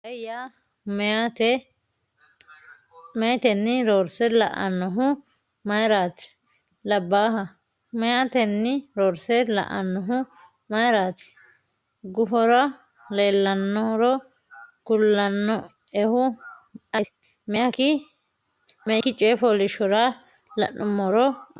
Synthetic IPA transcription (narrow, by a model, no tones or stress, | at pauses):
ɐja | mɛat̪ɛ | mɛjt̪ɛnːɪɾoːɾsɛlɐ̰ʔɐ̰nːɔɦʊ | mɐjɾaːt̪ɪ̥ | lɐbːaːɦɐ | mɛjaːt̪ɛnːɪɾoːɾsɛlɐ̰ʔɐ̰nːɔɦʊ | mɐjɾaːt̪ɪ̥ | ɡʊfɔɾɐ | leːlːɐnːɔɾɔ | ɡʊlːɐnːɔ | ɛhʊ | ɐ | mɛjɐkɪ | mɛkːɪt͡ʃʼɛfɔlɪʃɔɾɐlɐ̰nʔʊmːɔɾɔ